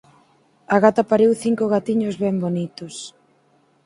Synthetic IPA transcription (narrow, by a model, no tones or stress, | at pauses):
aɣat̪apaɾiwθiŋkʊɣat̪iɲʊzβɛmbonit̪ʊs